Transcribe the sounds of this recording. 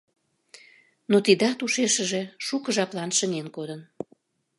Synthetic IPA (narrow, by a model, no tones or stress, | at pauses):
not̪id̪ɑt̪uʃeʃəʒe̽ʃukəʒɑplɑnʃənenkod̪ən